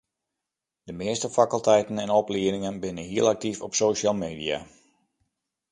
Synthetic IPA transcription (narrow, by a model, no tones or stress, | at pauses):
d̥əmɪəstəfakəlˠtɛjtənɛnɔpliənɪŋənbɪnənɦiəlˠak̚tifɔpsoːʃalˠmeːdia̰